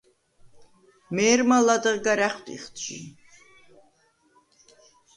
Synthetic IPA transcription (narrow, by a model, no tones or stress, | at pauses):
mɛːɾmalad̪əʁɡaɾæχt̪ʼḭχt̪ʃḭ